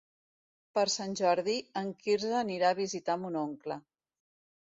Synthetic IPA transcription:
pəɾsanʲʒɔɾðiəŋkiɾzəːniɾaːβ̞izit̪amunoŋklə

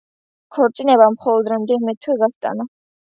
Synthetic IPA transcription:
kʰɔɾt̪sʼinɛβamχɔlɔd̪ɾɛmd̪iʁmɛt̪ʰwɛɡast̪ʼa̰na

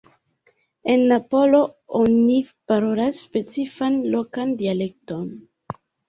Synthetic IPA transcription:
e̞nːapo̞lo̞onipaɾo̞lasːpe̞t͡sifanlo̞kandiale̞k̚to̞n

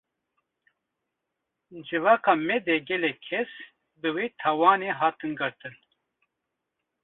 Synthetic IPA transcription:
d͡ʒɨvɑːkɑːmɛd̪ɛɡɛlɛkʰːɛs | bɨweːt̪ʰawɑːneːɦɑːt̪ɨnɡɨɾt̪ɨn

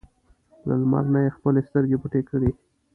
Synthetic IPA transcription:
la̰lma̰ɾnajexpəlest̪əɾɡepuʈekəɽi

